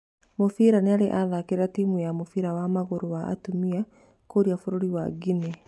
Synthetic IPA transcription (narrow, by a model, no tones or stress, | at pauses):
mofiɾaneaɾeʔaðakeɾeɾatimujamofiɾawamaɣoɾowaʔːtumia | koɾiafoɾoɾiwaɡine